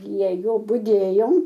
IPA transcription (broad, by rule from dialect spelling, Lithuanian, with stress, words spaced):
pʲrʲiɛ ˈjoː bʊdʲeːjoːm